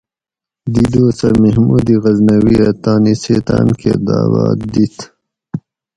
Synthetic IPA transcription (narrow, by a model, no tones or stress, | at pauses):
d̪id̪oːsɐmehmud̪iɣɐznɐwiɐt̪aːniset̪ankʰed̪aːwa̰ːd̪it̪